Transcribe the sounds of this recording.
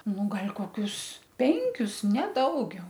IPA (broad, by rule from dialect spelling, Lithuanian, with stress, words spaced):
ˈnʊ ˈɡɐlʲ koːˈkʲʊs ˈpʲɛŋʲkʲʊs nʲɛ ˈdɐʊɡʲɛʊ